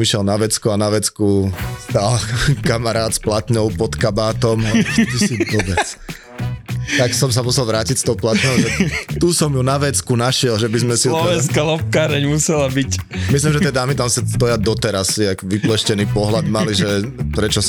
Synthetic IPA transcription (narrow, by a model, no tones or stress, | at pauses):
miʃjɛlnaʋɛt͡skuanaʋɛt͡skust̪alkamaɾaːt̪splat̪ɲɔʊpɔt̪kabaːt̪ɔmt̪usiʋɔbɛt͡s | aksɔms̬amusɛlʋɾaːcicst̪ɔʊplat̪ɲɔʊʒɛt̪usɔmjunaʋɛt͡skunaʃɪɛlʒɛbizmɛsilɔʋɛnskalɔp̚kaːɾɛɲmusɛlabicmis̬limʒɛjɛjd̪aːmit̪amsid̪ɔjad̪ɔt̪ɛɾassiakʋiplɛʃcɛniːpɔɦlad̪maliʒɛpɾɛt͡ʃɔ